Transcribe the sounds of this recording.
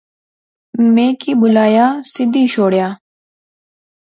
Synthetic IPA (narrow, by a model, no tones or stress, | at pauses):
mẽːkiːbʊlaːjaːsɪd̪ʱiːʃoːɽjaː